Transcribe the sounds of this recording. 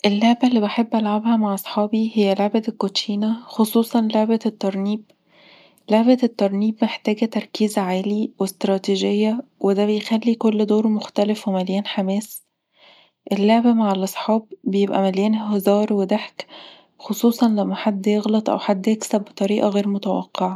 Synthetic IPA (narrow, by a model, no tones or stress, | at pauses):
ʔelːoʕbælːiːbeħebːʔælʕabhæmaʕʔɑsˤħɑːbihejːæloʕbælkot̪ʃiːnæxosˤuːsˤɑnloʕbæt̪ːɑɾˤniːb̚ | loʕbæt̪ːɑɾˤniːbmeħt̪æːɡæt̪ɑɾˤkiːzʕaːliwest̪ɾˤɑːt̪iʒejːæwed̪æbejxælːikolːd̪oːɾmoxt̪ælefwemæljæːnħamæːs | ʔelːoʕbæmaʕalʔɑsˤħɑːb̚ːejebʔæ̰mæljæːnɦzɑːɾˤwed̪aħk | xosˤuːsˤɑnlæmːæħad̪ːjeɣlɑt̪ˤʔæ̰wħad̪ːjeksæbbːet̪ˤɑɾiːʔɑɣeːɾmot̪æwɑ̰qʰːeʕa